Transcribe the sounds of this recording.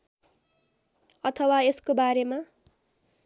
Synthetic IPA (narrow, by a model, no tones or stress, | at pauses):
ʌt̪ʰʌwaeskobaɾema